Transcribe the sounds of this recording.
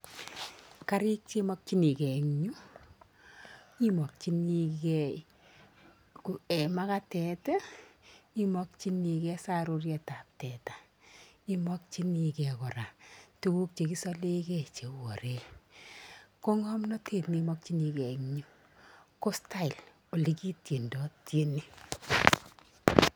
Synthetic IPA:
ka˦ɾi˦k̚t͡ʃe˦mɔ˦k̚t͡ʃi˦ni˨kɛ˨ŋɲu˦ | i˦mɔ˨k̚t͡ʃi˦ni˧kɛ | ku˨e˨ma˦ka˦tɛ˨tɛ˦ | i˦mɔ˦k̚t͡ʃi˦ni˨kɛ˦sa˦ɾo˦rjɛ˨ta˨p̚tɛ˨ta˨ | i˦mɔ˦k̚t͡ʃi˦ni˨kɛ˨kɔ˨ɾa˨tu˦wu˦k̚t͡ʃe˨ki˦sɔ˦le˦kɛ˦t͡ʃe˨wo̰˨ɾe˦ | ko˦ŋɔ˦mnɔ˦tʰe˨tni˨mɔ˦k̚t͡ʃi˦ni˧kɛ˨ŋɲu˦ | ko˦sta˦i˨l | o˨li˦ki˦tje˨ndɔ˦tje˦ni˦

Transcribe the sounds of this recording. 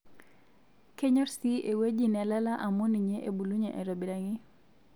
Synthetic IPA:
ke˦ɲɔ˦ɾsi˦ʔe˨we˦d͡ʒi˦nɛ˨la˦la˦ʔa˨mɔ˦ni˨ɲe˦ʔe˨bu˨lu˦ɲe˨ʔa˨ɾɔ˨bi˨ɾa˨ŋi˦

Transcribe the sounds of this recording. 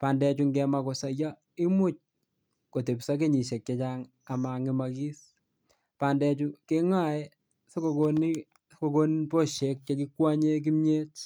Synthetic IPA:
pa˨ndɛ˦t͡ʃu˨ŋɡɛ˨ma˨ko˨sa˨ja˦ | i˦mʊ˦˨t͡ʃ̚ | ko˨te˨psa˦k̬e˦ɲi˨ʃe˨k̚t͡ʃe˨t͡ʃaŋ | a˨ma˨ŋɪ˨ma˨ki˦s | pa˨ndɛt͡ʃuke˦ŋa˦˨jɛ | se˦ko˨koni˦ | ko˨ko˦npo˦˨ʃe˨k̚t͡ʃa˨ki˦kwa˦ɲe˦k̬i˦mɲe˦t̚

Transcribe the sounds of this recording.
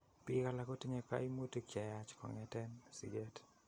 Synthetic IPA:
pi˦ka˨lako˦ti˦ɲe˨ka̰˦i˦mu˦ti˦kt͡ʃɛ˨ja˦t͡ʃkɔ̰˨ŋɛtɛ˦nsḭ˨d͡ʒe˦t

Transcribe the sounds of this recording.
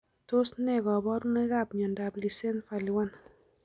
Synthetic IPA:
to˦snɛ˦ɡɔ˨bɔ˦ɾmɛ˦ɡa˦bɲɔ˨nda˨bli˨se˦nfa˨li˨wa˦n

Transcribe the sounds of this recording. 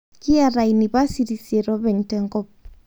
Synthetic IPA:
kɪ˦a˨ɾa˨ini˨βa˦si˦ɾi˨se˨ɾɔ˦βɛ˨ɲtɛŋɡɔ˦p̚

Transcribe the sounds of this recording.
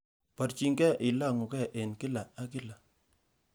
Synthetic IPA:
pa˨ɾt͡ʃi˨ŋɡɛ˦ʔɪ˨la˦˨ŋu˨kɛ˦˨ʔe˨nkɪ˦la˨a˦kɪ˦la˨

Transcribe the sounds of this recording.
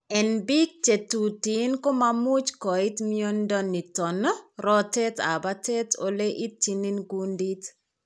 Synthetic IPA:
ɛ˨nbi˦k̚t͡ʃe˨tuti˨nko˦mamu˦t͡ʃkɔ˨i˦tmio˦ndɔ˦nːi˨tɔ˨nɔ˦rɔ˦tɛ˦ta̰˨ba˦te˦to̰˨le˦ʔi˦t͡ʃːini˦nɡundi˦t

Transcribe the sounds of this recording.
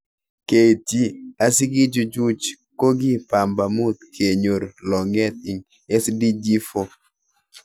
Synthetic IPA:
ke˨ti˦a˨si˦ɡi˦d͡ʒʊ˦d͡ʒu˦t͡ʃ | ko˦ɡi˦pa˨mba˨mu˦t̪̚kʰe˨ɲo˨ɾlɔ˨ŋɛ˦t̪̚i˨ŋ | e˦sdi˦d͡ʒi˦fo˦

